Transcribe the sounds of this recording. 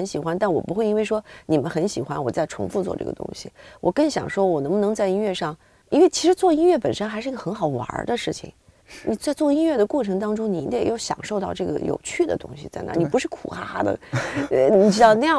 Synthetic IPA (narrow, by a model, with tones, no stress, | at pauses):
ə˧˥nɕi˨˩xwa˥nt̪a˥˩nwɔ˨˩pu˧˥xwe˥˩ɪi˥nwe˥˩ɪʂwɔ˥ni˨˩mə˦nxə˧˥nɕi˨˩xwa̰˥nwɔ˨˩t͡sa˥˩ɪʈ͡ʂʰʊ̰˧˥ŋfu˥˧t͡swɔ̰˥˧˩ʈ͡ʂɤ̰˥˩ə˩t̪ʊ̰˥ŋɕḭ˨wʔɔ˨˩kɤ˥˩ŋɕjɑ̰˨˩ŋʂwɔ˥wɔ˨˩nɤ˧˥ŋbnɤ˧˥ŋt͡sa˥˧ɪi˥nɥɛ˥˧ʂɑ˥˩ŋ | i˥nwe˥˩ɪt͡ɕʰi˧˥ʂɻ̩˧˥t͡swɔ˥˧i˥nɥɛ˥˩pə˨˩nʂə˥nxʂɻ̩˥˩˧ɡə˧xə˧˥nxɑ˨˩ʊwɐ̰˧˥d̪ə˧ʂɻ̩˥˩t͡ɕʰḭ˨˩ŋ | ni˨˩t͡sa˥˧ɪt͡swɔ˥˩i˥nɥɛ˥˩d̪ə˩kwɔ˥˩ʈ͡ʂʰɤ˧˥ŋt̪ɑ˥ŋʈ͡ʂʊ˥ŋni˨˩i˧˥d̪jo˥˩ʊɕjɑ̰˨˩ŋʂo˥˧ʊt̪ɑ˥˧ʊʈ͡ʂɤ˥˩ɡə̰˩jo̰˨˩ʊt͡ɕʰy˥˩d̪ə̰˩t̪ʊ̰˥ŋɕḭ˨t͡sa˥˩ɪna̰˧˥ni˨˩pu˧˥ʂɻ̩˥˩kʰṵ˨˩xa˥d̪ə̰˨ | ni˨˩ʈ͡ʂɻ̩˥˧ʊna˥˧jɑ˥˩˧